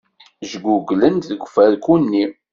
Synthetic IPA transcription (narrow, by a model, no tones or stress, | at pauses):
ʒɡuɡlənðəɡʷfæɾkunːi